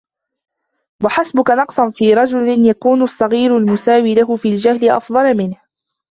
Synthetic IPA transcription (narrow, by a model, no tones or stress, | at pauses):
waħasbʊkanɑqsˤɑnfiːɾˤɑd͡ʒʊlɪnjakuːnʊsˤːɑɣiːɾʊlmʊsaːwiːlaɦʊfiːld͡ʒahlɪʔɑ̰fðˤɑlmɪnh